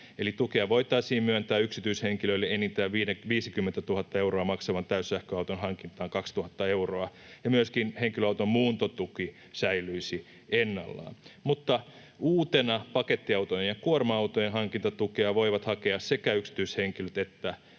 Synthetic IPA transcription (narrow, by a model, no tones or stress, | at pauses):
elit̪ukeɑʋo̞it̪ɑisiːmmyønt̪æːyksit̪yisheŋkiløilːeenit̪æːʋiːneʋiːsikymːent̪æt̪uhɑt̪ːɑe̞wroɑmɑksɑʋɑnt̪æyssæhkøɑut̪onɦɑŋkint̪ɑːŋkɑkst̪uhɑt̪ːɑeuroɑ | jɑmyøskinheŋkiløɑut̪ommuːnt̪ot̪uki | sæilˑyisi | enːɑ̰lːɑ̰ːnmut̪ːɑ | uːt̪enɑpɑket̪ːiɑut̪ojejɑkuormɑɑut̪ojenɦɑŋkint̪ɑt̪ukeɑʋoiʋɑt̪hɑkeɑssekæyksi̥t̪yisheŋkiløt̪et̪ːæ